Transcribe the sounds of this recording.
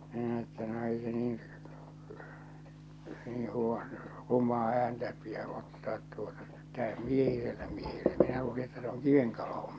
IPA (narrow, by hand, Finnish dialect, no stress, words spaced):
minæ etːæ no ei se niːĩ heŋːeʋːɑː rumˑɑː æːntæ piæ otːɑːt tuotɑ tæˑøh miehiselːæ miehelːɛ minæ luːli etːæ se oŋ kiʋeŋ koloho̥m̥